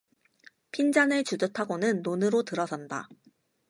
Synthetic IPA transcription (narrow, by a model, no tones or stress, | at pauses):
pʰind͡ʑanɯɭt͡ɕudɯtʰaɡonɯnːonɯɾotɯɾʌsʰʌnda̰